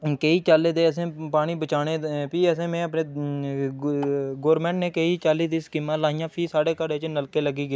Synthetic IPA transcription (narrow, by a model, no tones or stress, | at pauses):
keːiːt͡ʃaːlːeːd̪eːəsẽːpaːɽ̃iːbət͡ʃaːneːpiːəsẽːmɛ̃ːəpneː | ɡoːɾmɛ̃ːɳʈneːkeiːt͡ʃaːliːd̪iːskɪmːãːlaːijãːpʰiːsaːɽeːkəɾeːt͡ʃnəlkeːləɡiːɡəi